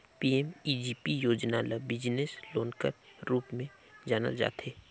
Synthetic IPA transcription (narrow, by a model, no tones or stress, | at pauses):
piːɛmid͡ʒiːpijoːd͡ʒnaləbɪd͡ʒnesloːnkəɾɾuːpmẽ | d͡ʒaːnə̰ld͡ʒa̰ːt̪ʰeː